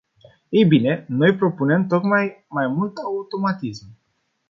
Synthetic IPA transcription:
ejbine̞no̞jpɾo̞pune̞mt̪o̞kmajmajmult̪aut̪o̞mat̪ism

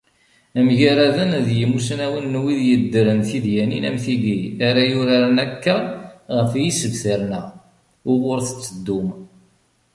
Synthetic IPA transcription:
æmʝæɾæðənðjəmusnæwənːwiðjəd̪ːəɾənθiðjænḭnæ̰mθid̪iaɾajʊɾaɾnækːaʁəfjisəvθəɾnæ | ʊʁʊɾθə̥t͡sːəd̪ːʊm

